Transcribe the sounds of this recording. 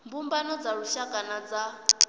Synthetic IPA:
mbumbanɔd͡zaɺuʃaɡanad͡za

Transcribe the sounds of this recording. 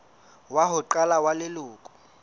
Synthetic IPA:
waɦʊǃalawalɪlʊːkʼʊ̥

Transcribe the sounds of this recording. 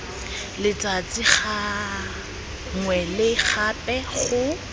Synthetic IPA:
lɪt͡sʼat͡sʼɪχa | ŋwɛlɪχapɛχʊ

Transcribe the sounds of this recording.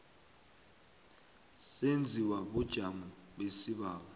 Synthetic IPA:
send͡zʱiwaɓud̥ʒ̥ʱamuɓesiɓaːɓa

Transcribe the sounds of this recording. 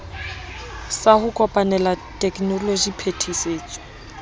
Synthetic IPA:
sahʊkʼɔpʼanɛlatʼɛkʼnɔlod͡ʒipʰetʰiseːt͡sʼɔ̥

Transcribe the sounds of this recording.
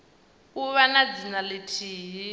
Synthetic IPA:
uβanad͡zinalitʰiːɦi

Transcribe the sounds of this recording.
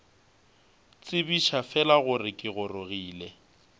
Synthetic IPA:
t͡sʼɪbiʃafɛlaɣʊrɪkʼɪɣʊroɣiːlɛ

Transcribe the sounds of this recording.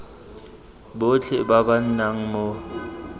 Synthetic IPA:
bot͡ɬʰɪbaban̩naŋ̩mo

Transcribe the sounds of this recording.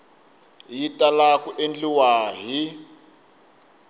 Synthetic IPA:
jitʼalakuʔend͡ɮiwaːɦi

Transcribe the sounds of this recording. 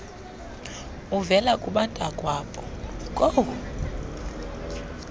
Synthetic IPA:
uvɛlakʼuɓantʼakʼwaːpʼɔkʼo

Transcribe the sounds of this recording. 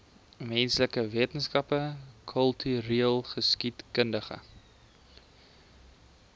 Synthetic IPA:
mɛnsləkəviətənskɐpəkʰəlˠtʰyɾiːlˠχəskitkəndəχə̰

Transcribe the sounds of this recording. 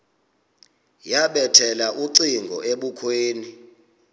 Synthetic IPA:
jaɓɛtʰɛlaʔuǀiŋɡʱɔ̰ʔeɓukʰweːni

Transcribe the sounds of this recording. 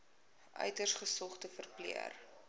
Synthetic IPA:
ʔœ̰ɥtərsχəsɔχtəfərplḭə̰r

